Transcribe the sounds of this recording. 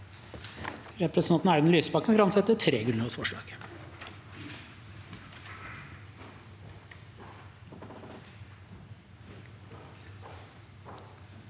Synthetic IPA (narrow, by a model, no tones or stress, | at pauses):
ɾɛpɾɛsnɑnt̪n̩ɑɪd̪n̩lyːsəbɑkːnfɾɑmsɛt̪ːət̪ʰɾeːɡɾʉnəɔsfɔʂɭɑ̰ːɡ̥